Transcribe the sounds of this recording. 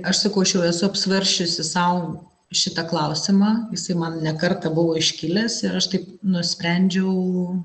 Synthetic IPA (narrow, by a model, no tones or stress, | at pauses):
ɐʃsɐkɐʊɐʃjɛʊɛsʊɐpsʲʋɐɾʲʃʲt͡ʃʲʊsʲɪsɐʊ | ʃʲɪt̪ɐklˠɐʊsʲɪmɑːjɪsɐɪmɐnnʲɛkɐrt̪ɐbʊʋoːɪʃʲkʲɪlʲɛsɪɾɐʃt̪ɐɪpnʊsʲpʲɾʲɛnʲd͡ʒʲɛʊ